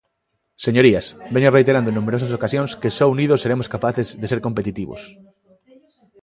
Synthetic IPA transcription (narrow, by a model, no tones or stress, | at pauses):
seɲoɾiasbeɲorejt̪eɾand̪oẽnũmeɾosasokasjõnskesɔuniðoseɾemoskapaθezðeseɾkompet̪it̪iβo̰s